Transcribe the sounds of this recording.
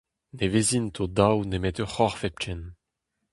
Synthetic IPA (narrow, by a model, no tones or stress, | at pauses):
nevezint̪ʰod̪awnemɛt̪øχɔʁfɛp̚t͡ʃɛn